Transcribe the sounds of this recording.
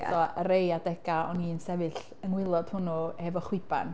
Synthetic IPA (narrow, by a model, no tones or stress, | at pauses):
sɔəɾejadɛɡ̥aɔniːnsɛvɨɬ | əŋwɪlˠɔd̥hʊnuhɛvɔχwɪba̰n